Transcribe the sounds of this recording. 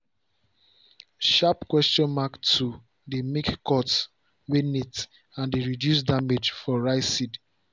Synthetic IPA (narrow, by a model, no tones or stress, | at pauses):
ʃapkwɛstɔ̃nmaktʰːu | demekkɔts | wenit | ãndeɹidjus̬damed͡ʒfɔɹaɪsid